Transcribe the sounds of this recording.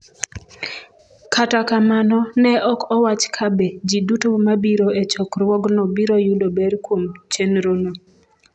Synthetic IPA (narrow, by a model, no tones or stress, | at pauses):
kʰatakamanɔnɛʔɔkɔwat͡ʃkʰabed͡ʒidutomabiɾoet͡ʃɔkɾwɔɡnɔbiɾojudobɛɾkwomt͡ʃenɾono